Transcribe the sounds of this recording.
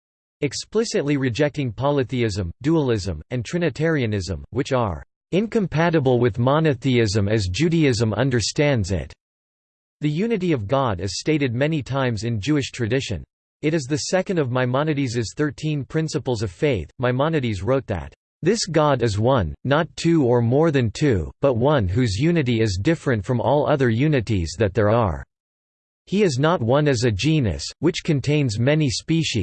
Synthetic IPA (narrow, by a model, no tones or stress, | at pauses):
ɨksplɪsɨtˡliɹɨd͡ʒɛk̚tɪ̃ŋpʰɑlˠɨθiɪzɨ̃mduəlˠɪzə̃mɨ̃ntʰɹ̥ɪ̃ñɨtʰɛɹiɨnɪzə̰̃mwɨt͡ʃə̰˞ | ɪ̃nkʰɨ̃mpʰæɾɨbl̩ˠwɪðmɑnɨθiɪzɨ̃mɨzd͡ʒʉɾiɪzə̃mʌ̰̃ndə˞stæ̃ndzɪ̰t̚ | ðɨjʉnɨɾiʌvɡɑɾɨz̥steɪɾɨd̚mɛnitʰãɪ̃mzɨ̃nd͡ʒʉɨʃtʰɹ̥ɨdɪʃɨ̰̃n | ɨɾɨzðɨsɛkɨ̃n̩dʌvmaɪmɑnɨɾizɨz̥θɜ˞tʰĩnpʰɹ̥ɪ̃nsəpl̩ˠzʌv̥feɪθmaɪmɑnɨɾizɹoʊt̪̚ðɨ̰t̪̚ | ðɪsɡ̥ɑɾɨzwʌ̃nːətʰʉə˞mɔɹðɨ̃ntʰʉb̥ʌt̚wʌ̃nɦʉzjʉnɨɾiɪzdɪfɹɨ̃ntfɹʌ̃mʔɔlˠʌðə˞jʉnɨɾizðɨt̪̚ðə˞əə̰˞ | hiɨznət̚wʌ̃nɨzɨd͡ʒĩnɨ̰swɨt͡ʃkʰɨ̃ntʰẽɪ̃nzmɛnispiʃi